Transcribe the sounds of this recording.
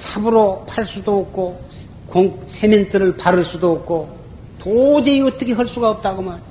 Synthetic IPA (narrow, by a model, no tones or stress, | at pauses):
sʰabɯɾopʰaɭs͈udoːk̚kʰo | koŋsʰementʰɯɾɯɭpaɾɯɭs͈udoːk̚kʰo | tod͡ʑeiʌtʌkʰe̞ɦʌɭs͈uɡaʌp̚t͈aɡoman